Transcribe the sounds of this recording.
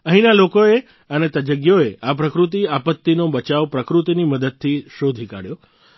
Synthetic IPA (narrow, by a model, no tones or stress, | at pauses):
əɦĩnalokoe | ənet̪əd͡ʒəɡjoeapɾəkɾut̪̬iapət̪ːinobət͡ʃaʋpɾəkɾut̪iniməd̪əd̪̚t̪ʰiʃod̪ʱika̰ɽjo